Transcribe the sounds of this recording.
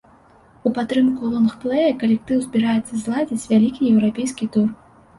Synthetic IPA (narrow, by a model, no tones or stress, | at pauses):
upat̪ːɾɨmkulˠɔnxplˠɛjɐkɐlʲɛk̚t̪ɨwzʲbʲiɾajɛt̪sːɐzlˠad͡zʲit͡sʲvʲalʲikʲijɛwɾapʲejskʲit̪ur